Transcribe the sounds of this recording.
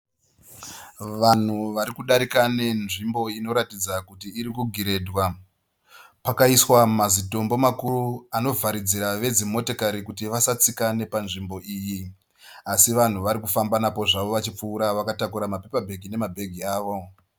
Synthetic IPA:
ʋan̤uʋaɾikuɗaɾikane̞nʐimbo̞ino̞ɾatid͡zakutiːɾikuɡʱiɾe̞dʱwa | pakaiswamazito̞mbo̞makuruano̞vaɾid͡ziɾaʋe̞d͡zimo̞tokaɾikutiʋasat͡sikane̞panʐimbo̞ʔiːji | asiʋan̤uʋaɾikufambanapo̞ʐaʋo̞ʋat͡ʃip͡fuːɾaʋakatakuɾamape̞pabʱe̞ɡʱine̞mabʱe̞ɡʱiaːʋo̞

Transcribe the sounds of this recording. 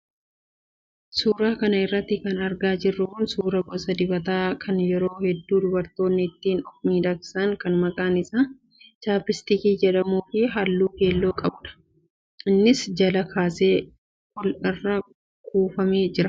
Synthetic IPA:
suːɾaːkɐnɐɪrːɐt̪ːɪkɐnɐɾɡaːd͡ʒɪrːʊkʊnsuːɾɐbɔsɐd̪ɪbɐt̪aːkʰɐnjɛɾo̞ːhɛd̪ːuːd̪ʊbɐɾt̪o̞ːnːɪːt̪ːiːnɔfmiːd̪ɐksɐŋkɐnmɐkʼaːnɪsaː | t͡ʃaːpɪst̪ɪkiːd͡ʒɛᶑɐmuːfɪɦɐlːuːke̞ːlːoːkʼɐbʊᶑɐ̥ | ʔɪnːɪsd͡ʒɐlɐkʰaːse̞ː | kʊlɪrːɐ | kuːfɐme̞ːd͡ʒɪɾɐ

